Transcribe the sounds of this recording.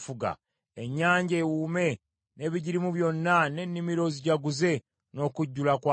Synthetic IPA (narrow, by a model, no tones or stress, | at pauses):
fuɡa̰ | e̞ɲːaːɲɟe̞ːwuːme̞ | ne̞ːβiɟiɾimuβjo̞nːane̞nːimiɾo̞ziɟaɡuze̞ | no̞ːkuɟːulakwa